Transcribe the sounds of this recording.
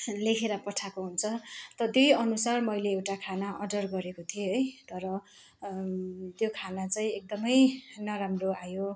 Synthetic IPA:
lekʰeɾapʌʈʰakoɦunt͡sʰʌt̪ʌd̪ujʌnusarmʌjleːwʈakʰanaʔʌɖʌrɡʌɾekot̪ʰieɦʌjt̪ʌɾʌ | t̪jokʰanat͡sʌĩek̚d̪ʌmʌjnʌɾamroajo

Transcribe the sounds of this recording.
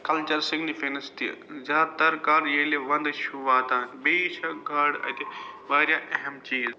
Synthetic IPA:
kɐlt͡ʃɐɾsɪɡnifeːnɐst̪ḭzaːt̪ɐɾkaːɾjeːleʋɐ̃nd̪ʃuʋaːt̪aːnbeːʃɐɡaːɽɐ̰t̪iʋaːɾjaːʔɐɦɛmt͡ʃiːz

